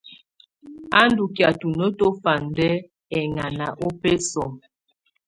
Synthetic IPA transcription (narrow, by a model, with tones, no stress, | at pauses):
a˦n˦du˨kja˨tu˨no˦to˦fa˨n˨dɛ˦ | ɛ˨ŋa˨na˨ʔo˦peɛ˦sɔ˨m